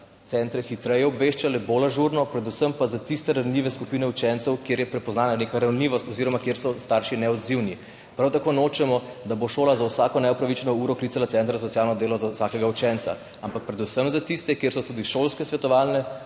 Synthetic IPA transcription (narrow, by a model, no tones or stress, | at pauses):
t̪sɛnt̪ɾɛxit̪ɾɛjɛɔbʋeʃt͡ʃalɛboːlaʒuɾnɔpɾɛd̪usəmpazat̪ist̪ɛɾawnliʋɛskupiːnɛut͡ʃɛnt̪sɛwkjeːɾjɛpɾɛpɔznaːnanekaɾawnliːʋɔst̪ɔziɾɔmakjeːɾsɔst̪aɾʃinɛɔd̪ziwni | pɾawt̪akonot͡ʃɛmɔd̪aboʃoːlazawsaːkɔnɛɔpɾaʋit͡ʃnɔuɾɔklit̪alat̪ɛnt̪ɾas̬ɔt̪sjaːlnɔd̪eːlɔzawsaːkɛɡaut͡ʃɛnt̪sa̰ | ampak̚pɾɛd̪usəmzat̪ist̪ɛkjeːɾsɔt̪uːd̪iʃolskɛsʋɛt̪ɔʋaːlnɛ